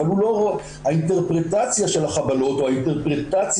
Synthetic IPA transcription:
alulo̞ʁoe | aint̪e̞ʁpʁet̪at͡sjaʃe̞lhaχabalo̞t̪o̞aint̪e̞ʁpʁet̪at͡s

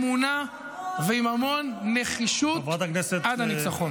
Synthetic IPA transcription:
muna | veimamonːeχiʃuvat̪akneset̪ʔad̪anit͡saχon

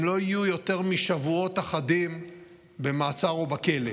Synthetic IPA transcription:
mlo̞ijujo̞te̞ʁmiʃavuo̞taχadim | be̞maːt͡saʁobake̞le

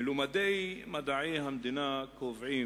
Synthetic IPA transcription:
lumad̪ejmad̪aʕejɦamd̪inakovʕi

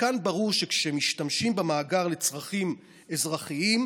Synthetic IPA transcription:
kanbaʁuʁʃe̞kʃemiʃtamʃimbemaːɡaʁle̞t͡sʁaχim | e̞zʁaχiim

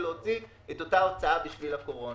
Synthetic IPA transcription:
leot͡si | et̪o̞tao̞t͡saabiʃvilako̞ʁo̞

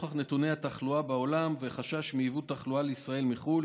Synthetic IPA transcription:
χaχne̞t̪unehat̪aχluabao̞lamveχaʃaʃmiivut̪ːaχlualeisʁae̞lmiχul

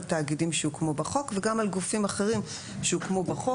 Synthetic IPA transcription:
ltaːɡidimʃeukmobaχo̞kveɡamalɡufimaχeʁim | ʃeukmobaχo

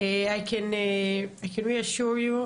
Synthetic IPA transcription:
ɛajkʰɛ̃n | ajkʰɛ̃nwiaʃuɹju

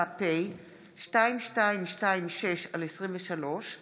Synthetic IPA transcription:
apej | ʃtaimʃtaimʃtaimʃe̞ʃalesʁimveʃalo̞ʃ

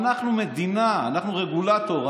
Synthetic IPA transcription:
naχnumed̪inaːnaχnuʁeɡulat̪o̞ʁ

